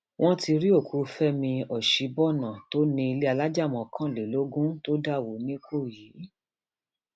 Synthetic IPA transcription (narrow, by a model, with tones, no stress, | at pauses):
wʔɔ̃˦ti˧ɾi˦o˦˨kʰu˨˧fɛ˦mĩ˧ɔ˨ʃi˨˦bɔ˦˨nã˨to˦nĩ˧i˧le˦a˧la˦d͡ʒa˦˨mɔ̃˨kʰã˦˨le˨lo˦ɡũ˦to˦da˦˨wo˨nĩ˦ko˦˨ji˨˦